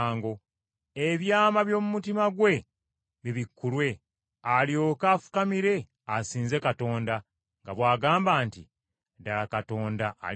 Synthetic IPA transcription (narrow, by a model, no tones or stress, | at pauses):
ŋɡo̞ | eβjaːmaβjo̞ːmumutimaɡwe̞ | βiβikːulwe̞ | alio̞kaːfu̥kamiɾe̞ | asiːnze̞kato̞ːnda | ŋɡaβwaːɡaːmbaːntḭ | dalakato̞ːndaʔː